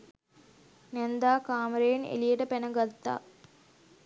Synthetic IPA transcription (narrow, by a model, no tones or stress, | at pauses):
nænd̪aːkaːməɾejenḛlijəʈəpænəɡat̪ːa̰ː